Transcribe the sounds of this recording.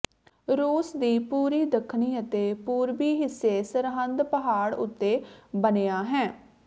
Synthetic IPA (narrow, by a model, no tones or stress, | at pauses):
ɾuːsd̪iːpuːɾiːd̪əkʰniːət̪eːpuːɾbiːɦɪsːeːsəɾɦənd̪pəɦaːɽʊ̰t̪ːeːbəneːaːɦɛː